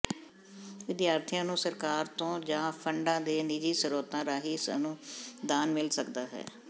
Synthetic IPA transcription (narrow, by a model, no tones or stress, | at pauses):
ʋɪd̪jaːɾt̪ʰijãːnũːsəɾkaːɾt̪õːd͡ʒãːpʰəɳɖãːd̪eːniːd͡ʒiːsəɾoːt̪ãːɾaːɦiːsnũːd̪aːnmɪlsəkd̪aːɦɛ̰ː